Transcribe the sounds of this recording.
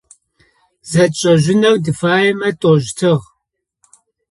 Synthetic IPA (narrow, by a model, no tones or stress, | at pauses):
zɐt͡ʃʼɐʒɪnɐwdɨfaːjɛmɐtʼoːʒtʰɨʁ